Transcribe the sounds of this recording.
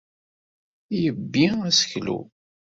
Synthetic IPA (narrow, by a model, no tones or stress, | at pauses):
jəbːiæsə̥çlṵ